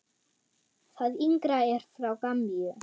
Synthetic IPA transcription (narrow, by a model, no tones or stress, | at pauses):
θaðiŋkɾaɛɾ̥θɾawkamːiʏ